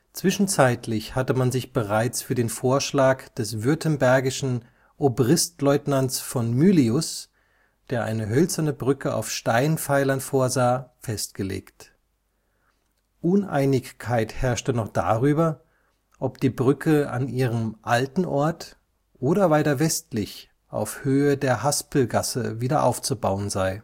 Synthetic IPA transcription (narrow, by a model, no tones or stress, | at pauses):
t͡sv̥ɪʃn̩t͡saɪtʰlɪçhatəmanzɪçb̥əʁaɪt͡sfyːɐdeːnfoːɐʃlaːkd̥ɛsv̥ʏɐtʰənbɛɐɡɪʃn̩ | ʔobʁɪstlɔʏtnant͡sfɔnmyːliʊs | d̥eːɐʔa̰ɪnəɦœlt͡sɐnəbʁʏkəʔa̰ʊfʃtaɪnfaɪlɐnfoːɐzaːfɛstɡ̥əlḛːkt | ʔʊnʔa̰ɪnɪçkʰːaɪthɛɐʃtənɔχd̥a̰ːʁyːbɐ | ʔɔpd̥iːbʁʏkʰəa̰nʔiːʁəmʔaltn̩ʔɔɐt | ʔoːɾɐvaɪtɐvɛstlɪç | ʔa̰ʊfhøːədeːɐɦaspl̩ɡasə̰viːdɐʔa̰ʊft͡subaʊənzaɪ